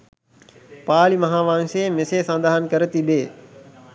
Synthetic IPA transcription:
paːlimɐɦaːʋãːŋsemɪseːsə̃nd̪aːɦənkɐɾət̪ibeː

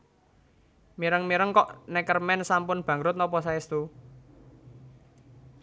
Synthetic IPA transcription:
miɾəŋmiɾəŋkɔʔnɛkərmɛnsampʊnb̥ä̤ŋɾʊt̪̚nɔpɔs̬aɪst̪u

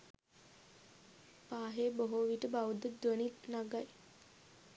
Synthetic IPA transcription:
paːɦeːboɦoʋiʈəbaʋud̪əd̪wənit̪naɡaj

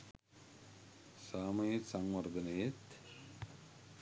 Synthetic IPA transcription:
saːmɐjet̪sɐŋʋɐɾd̪ɐnɐjet̪

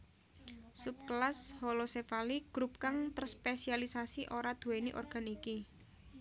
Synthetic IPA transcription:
sup̚klashɔlosefaliɡ̥ɾup̚kaŋt̪ərspesialisasiʔoɾad̪̥uweniʔɔ̰rɡ̥a̤niki

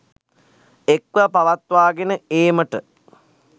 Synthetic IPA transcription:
ekʋapaʋat̪ʋaːɡenəeːməʈə

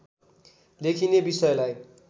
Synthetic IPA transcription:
lekʰinebisʌjlaj

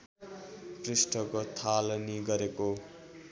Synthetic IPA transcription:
prisʈʰʌkot̪ʰalʌniɡʌɾeko

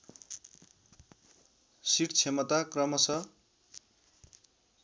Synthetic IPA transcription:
siʈt͡sʰemʌt̪akrʌmʌsʌ

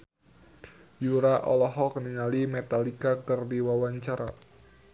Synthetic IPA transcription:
juɾaʔɔlɔɦɔkəninalimɛt̪alikakɨrdiwawaɲt͡ʃaɾa

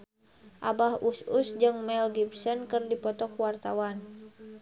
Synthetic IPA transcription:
ʔa̰bahususd͡ʒɨŋmɛlɡibsɔnkɨrdipɔt̪ɔkwart̪a̰wan

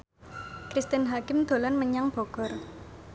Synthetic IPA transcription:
kɾist̪ɛnɦakɪmd̪̥o̤lɔnməɲaŋb̥ɔɡ̥ɔ̤r

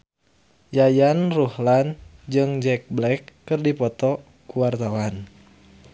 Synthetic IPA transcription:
jajanruhland͡ʒɨŋd͡ʒɛk̚blɛkːɨrdipɔt̪ɔ | kuwart̪awan

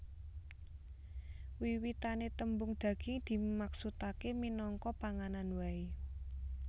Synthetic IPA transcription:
wiwit̪anet̪əmbʊŋd̪̥ä̤ɡ̥ɪ̤ŋd̪̥i̤maksut̪akeminɔŋkɔpaŋananwai

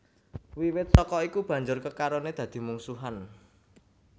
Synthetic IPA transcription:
wiwɪt̪̚sɔkɔikub̥ä̤ɲd͡ʒʊrkəkaɾoned̪̥ä̤d̪̥i̤muŋsuɦan

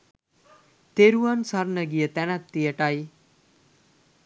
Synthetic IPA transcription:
t̪eɾuansaɾnəɡijət̪ɛnat̪ːijəʈai

